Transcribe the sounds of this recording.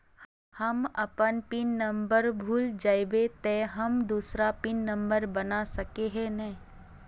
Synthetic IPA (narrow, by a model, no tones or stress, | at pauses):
hɐmɐpənpɪnːɐ̃mbəɾbʱuːld͡ʒaːjbet̪ɛːɦɐmd̪uːsɾapɪnːɐ̃mbəɾbɐnasɐkeɦɛnɐĩ